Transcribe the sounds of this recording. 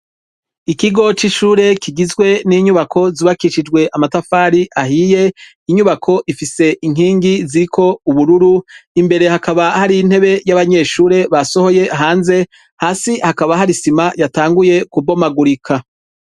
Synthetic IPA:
ikiɡo̞t͡ʃiʃuːɾe̞kʰiɡizɡwe̞niɲuβakʰo̞ziβakiʃid͡ʒɡwe̞ʔamatafaːɾiʔahije̞ | iɲuβakʰo̞ʔifise̞ʔiŋ̥iːŋɡiziɾikʰo̞uβuɾuɾuimbe̞ɾe̞hakaβahaɾiːn̥he̞βe̞jaβaɲe̞ːʃuːɾe̞βaso̞ho̞je̞ɦaːnze̞ | haːsihakaβaɦaɾisimajataːŋɡuje̞kubo̞maɡuɾikʰa

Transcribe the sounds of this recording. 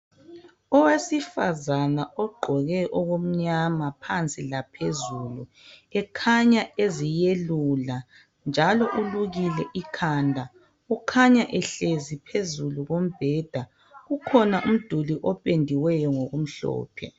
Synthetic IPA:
ɔwesifazanaɔɡ͡ǃʱɔɣɛʔɔɣom̩ɲamapʰant͡sʼilapʰezulu | ɛkʰaɲaezijelula | nd͡ʒʱalɔʔuluɣilɛʔikʰaːndʱa | ukʰaɲaʔɛɬezipʰezuluɣom̩b̥ʱɛːd̥ʱa | ɣukʰɔnaʔum̩d̥ʱuliʔɔpʼendʱiwɛjɔŋoɣum̩ɬɔ̰ːpʰɛ̰

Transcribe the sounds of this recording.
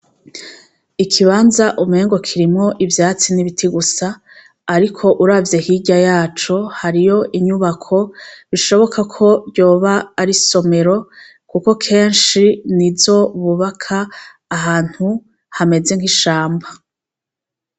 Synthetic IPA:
ikʰiβaːnzaʔumheːŋɡo̞kʰiɾimŋo̞ʔivjaːt͡siniβitʰiɡusaː | ɾikʰo̞ʔuɾavje̞hiɟajaːt͡ʃo̞haɾijo̞ʔiɲuβakʰo̞βiʃo̞βo̞kʰakʰo̞ɾɟo̞ːβaːɾiso̞me̞ɾo̞ | kuko̞kʰe̞ːnʃinizo̞βuβakʰaː | ɦaːn̥hu | hame̞ze̞ŋ̥hiʃaːmba

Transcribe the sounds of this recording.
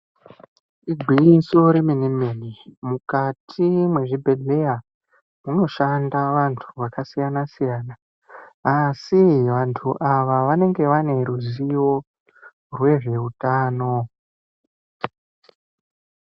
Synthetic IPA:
iɡʱiiso̞ɾeminimenimukatʰimwe̞ʐibʱe̞de̞ja | muno̞ʃandaʋantʰuʋakasijanasijaːnaː | siʋantʰuʔaʋaʋane̞ŋɡe̞ʋane̞ɾuzijo̞ | rwe̞ʐe̞utaːno̞

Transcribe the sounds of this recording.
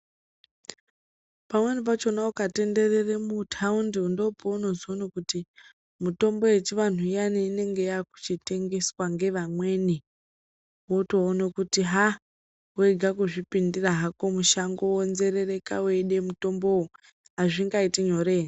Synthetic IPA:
pamwe̞nip̬at͡ʃo̞naukate̞nde̞reremutʰaundiundo̞pouno̞zonokuti | muto̞mbo̞jet͡ʃiʋan̤uianiːne̞ŋɡe̞jaku̥t͡ʃite̞ŋɡe̞swaŋɡe̞ʋamwe̞ni | wotoːnokutiɦa | weɡʱakuʐipindiraɦako̞muʃaŋɡowonze̞rere̞kaweɗe̞muto̞mbo̞u | ɦaʐiŋɡaitiɲo̞reːn

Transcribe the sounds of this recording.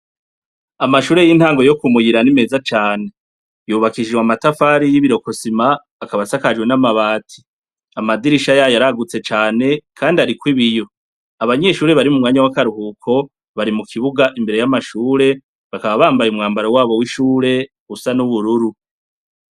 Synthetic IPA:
amaʃuːɾe̞jin̥haːŋɡo̞jo̞kumujiɾanime̞ːzat͡ʃaːne̞ | juːβakiʒiwamatafaːɾijiβiɾo̞ko̞simaː | kaβasakad͡ʒɡwe̞namaβaːtʰi̥ | amadiɾiʃajajaɾaɡut͡se̞t͡ʃaːne̞kʰaːndiaɾikwiβijo̞ | aβaɲe̞ʃuːɾe̞βaɾimumŋaːɲawakaɾuhukʰo̞ | βaɾimukʰiβuɡaʔimbe̞ɾe̞jamaʃuːɾe̞ | βakaβaβaːmbajumŋaːmbaɾowaːβo̞wiʃuːɾe̞ | ɡusanuβuɾuɾu

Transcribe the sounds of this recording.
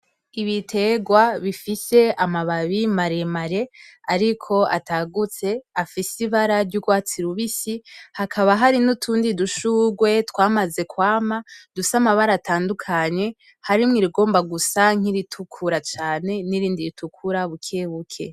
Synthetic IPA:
iβitʰe̞ɡwaβifise̞amaβaβimaɾe̞maɾe̞aɾikʰo̞a̰taɡut͡se̞afisiβaɾaɾɟuɡwaːt͡siɾuβisihakʰaβaɦaɾinutʰuːndiduʃuɡwe̞twaːmaze̞kwaːmadusamaβaɾatʰaːndukʰaɲe̞ | haɾimŋiɾiɡo̞ːmbaɡusaŋ̥iɾitʰukʰuɾat͡ʃaːne̞niɾiːndiɾitukʰuɾaβukʰeβukʰe̞̰

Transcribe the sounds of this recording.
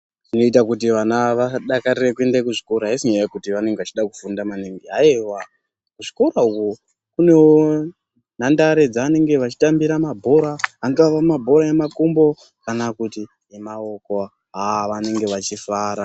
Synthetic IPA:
ʐino̞it̬akut̬iʋanaʋaɗakarireke̞ndekuʐiko̞ɾaɦisiɲajajekutiʋane̞ŋɡeʋat͡ʃiɗakufundamaniŋɡiaiwa | kuʐiko̞ɾauko | kune̞wo | nandaɾe̞d͡zaːne̞ŋɡe̞ʋat͡ʃi̥tambiɾamabʱo̞ɾaaŋɡaʋamabʱo̞ɾaemakumbo̞ | kanakuti | emao̞koa | ɦaʋane̞ŋɡe̞ʋat͡ʃifaːɾa

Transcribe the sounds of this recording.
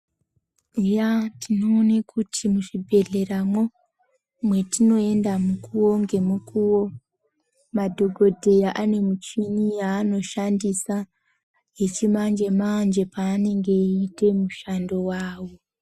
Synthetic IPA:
ujatʰino̞ːnekʰutʰimuʐibʱe̞ɮe̞ɾamo̞ | mwe̞tino̞e̞ndamukuwo̞ŋɡe̞mukuwo̞ | madʱo̞ɡʱo̞dʱe̞jaʔane̞mut͡ʃiɲijaːno̞ʃandisa | jet͡ʃimand͡ʒe̞mand͡ʒe̞paːne̞ŋɡe̞ite̞muʃando̞waːwo̞

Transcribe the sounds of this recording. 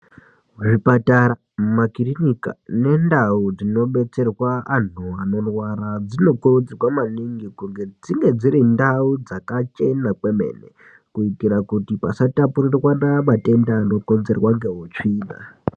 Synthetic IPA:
ʐipataɾa | makirinika̰ne̞ndaud͡zino̞ɓe̞t͡se̞rwaan̤uano̞rwarad͡zino̞kurud͡zirwamaniŋɡikuŋɡe̞d͡ziŋɡe̞d͡ziɾindaud͡zakat͡ʃe̞nake̞me̞̰ːnḛ | kuikiɾakutipasatapurirwanamate̞ndaːno̞ko̞nze̞rwaŋɡe̞ɦot͡ʂiːna̰

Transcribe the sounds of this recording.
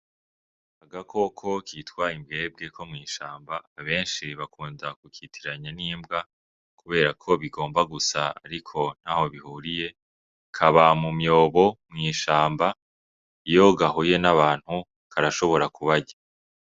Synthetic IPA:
aɡakʰo̞kʰo̞kʰitkwaimbɡe̞ːb̚ɡe̞kʰo̞mŋiːʃaːmbaːβe̞ːnʃiβakʰuːndakukitʰiɾaɲaniːmbɡa | kuβe̞ːɾakʰo̞βiɡo̞ːmbaɡusaa̰ɾikʰo̞n̥haho̞βihuːɾije̞ | kʰaβamumjo̞ːβo̞mŋiːʃaːmba | ijo̞ɡaɦoje̞naβaːn̥hu | kʰaɾaʃo̞βo̞ɾakuβaɟa

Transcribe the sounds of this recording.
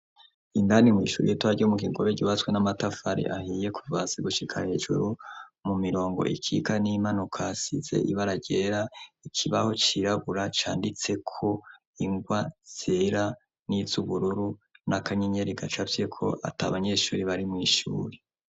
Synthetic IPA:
indanimŋḭːʃṵːɾijetwaɟomuɡiɡoβeɟoβat͡swenamatafaɾḭʔahiːje̞kʰuvazeɡuʃikʰahe̞ʒṵɾumumiɾo̞ːŋɡo̞̰ʔḭkʰiɡanimanukʰasize̞̰ʔiβaɾaɟe̞ɾaikʰiβaho̞t͡ʃiɾaβuɾat͡ʃaːndit͡se̞kʰo̞ | iŋɡwaz̥eɾa | niz̥uβuɾuɾunakʰaɲeɲe̞ɾiɡat͡ʃavjekʰo̞̰ʔa̰ta̰βaɲe̞ːʃuːɾiβaɾimŋiːʃṵːɾe

